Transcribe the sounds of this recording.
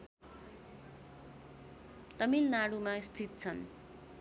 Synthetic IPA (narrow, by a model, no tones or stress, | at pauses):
t̪ʌmilnaɽumast̪ʰit̪̚t͡sʰʌn